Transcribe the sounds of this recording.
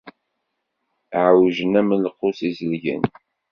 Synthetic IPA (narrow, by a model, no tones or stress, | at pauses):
ʕwʒənæmənləqːʊsizəlʝə̰n